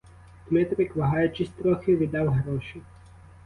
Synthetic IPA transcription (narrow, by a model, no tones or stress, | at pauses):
t̪mɛt̪ɾɪkʋɐɦɑjʊt͡ʃɪsʲt̪ɾɔxeʋʲid̪ɑwɦɾɔʃi